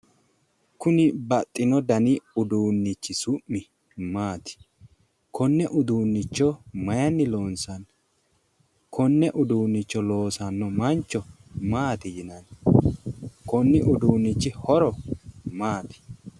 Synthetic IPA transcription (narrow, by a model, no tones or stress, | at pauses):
kʊnɪbɐt̪ʼːɪnɔd̪ɐnɪʊd̪uːnːɪt͡ʃːɪsʊʔːɪ | maːt̪ɪ̥ | kʰɔnːɛʔʊd̪uːnːɪt͡ʃːɔmɐjɐnːɪloːnsɐn | kʰɔnːɛʔʊd̪uːnːɪt͡ʃːɔlo̞ːsɐnːɔmɐnt͡ʃːɔ | maːt̪ɪjɪnɐn | kɔnːɪʔʊd̪uːnːɪt͡ʃːɪhɔɾɔmaːt̪ɪ̥